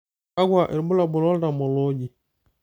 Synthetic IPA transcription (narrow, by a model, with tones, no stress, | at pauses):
a˦ɡwa˨ʔe˨ɾbʊ˦la˨bʊ˨lɔ˦lda˨mɔ˨lɔ˦ɟi˨